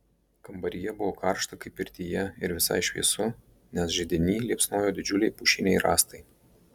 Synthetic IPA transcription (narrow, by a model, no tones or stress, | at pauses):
kɐmbɐɾʲɪjɛbʊʋokɐɾʃt̪ɐkɐɪpɪɾʲt̪ʲijɛɪɾʋʲɪsɐ̰ɪʃʲʋʲḭɛsʊ | nʲɛsʒʲɛd̪ʲɪnʲiːlʲiɛpsnoːjoːd̪ʲɪd͡ʒʲʊlʲɛɪpʊʃʲɪnʲɛɪɾɑːst̪ɐɪ